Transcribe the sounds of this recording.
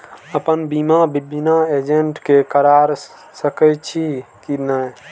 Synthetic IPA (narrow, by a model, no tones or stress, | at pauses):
əpənbimabibʱinaed͡ʒeɳʈkekəɾaɾ | səkət͡ʃʰi | kinə